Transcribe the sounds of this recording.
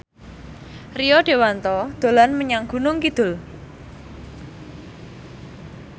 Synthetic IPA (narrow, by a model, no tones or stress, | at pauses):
rijɔɖ̥e̤want̪ɔd̪̥o̤lanməɲaŋɡ̥ṳnʊŋkid̪̥ʊ̤l